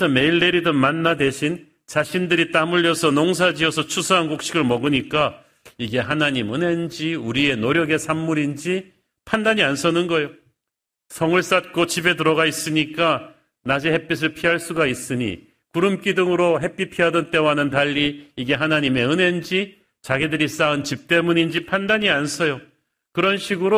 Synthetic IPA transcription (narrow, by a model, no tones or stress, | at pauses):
sʰʌme̞iɭːe̞ɾidɯnmanːadwe̞ɕʰin | t͡ɕaɕʰindɯɾit͈amuʎːʌsʰʌnoŋs̬ʰad͡ʑiʌsʰʌt͡ɕʰusʰʌɦanɡok̚ɕ͈iɡɯɭmʌɡɯɲik͈a | iɡe̞ɦanaɲimɯne̞nd͡ʑiuɾie̞noɾjʌɡe̞sʰamːuɾind͡ʑi | pʰandaɲians͈ʰʌnɯnɡʌejo | sʰʌŋɯɭs͈at̚k͈ot͡ɕibe̞t̬ɯɾʌɡais͈ɯɲik͈a | nad͡ʑehe̞p͈is̬ʰɯɭpʰiɦaɭs͈uɡais͈ɯɲḭ | kuɾɯmk͈idɯŋɯɾoɦe̞p͈ipʰiɦadʌnt͈e̞waɦanɯntaʎːiiɡe̞ɦanaɲime̞ɯne̞nd͡ʑi | t͡ɕaɡidɯɾis͈aɯnt͡ɕip̚t͈e̞muɲind͡ʑipʰandaɲiansʰʌjo | kɯɾʌnɕʰiɡɯɾo